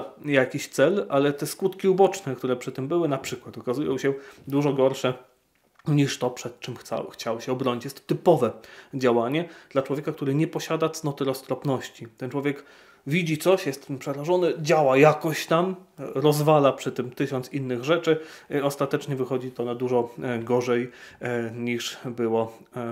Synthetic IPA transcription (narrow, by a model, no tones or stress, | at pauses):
jakʲiɕt̪sɛlʔalɛt̪ɛskut̪kʲiubɔt͡ʂnɛkt̪uɾɛpʂɘt̪ɘmbɘwɘnapʂɘkwat̪ɔkazujɔ̃w̃ɕɛd̪uʐɔɡɔɾʂɛ | ɲiʂt̪ɔpʂɛt̪̚t͡ʂɘmxa̰wxt͡ɕawɕɛɔbɾɔɲit͡ɕjɛst̪ɔt̪ɘpɔvɛd͡ʑawaɲɛd̪̥lat͡ʂwɔvʲjekak̚t̪uɾɘɲɛpɔɕad̪at̪snɔt̪ɘɾɔst̪ɾɔpnɔɕt͡ɕit̪ɛnt͡ʂwɔvʲjɛk | vʲid͡ʑit̪sɔɕjɛst̪pʂɛɾaʐɔnɘd͡ʑawajakɔɕt̪amɾɔzvalapʂɘt̪ɘmt̪ɘɕɔnt̪sinːɘɣʐɛt͡ʂɘiɔst̪at̪ɛt͡ʂɲɛvɘxɔd͡ʑit̪ɔnad̪uʐɔɡɔʐɛj | ɲiʂbɘwɔ